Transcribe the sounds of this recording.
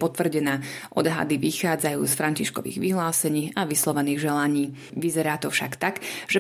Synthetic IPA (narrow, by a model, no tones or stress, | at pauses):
pɔt̪ʋr̩ɟɛnaːʔɔd̪ɦa̰d̪iʋixaːd͡zajuːsfɾaɲciʃkɔ̰ʋḭːɣʋiɦlaːsɛɲiːaʋislɔʋɛniːɣʒɛlaɲiː | ʋizɛɾaːt̪ɔfʃakt̪akʒɛ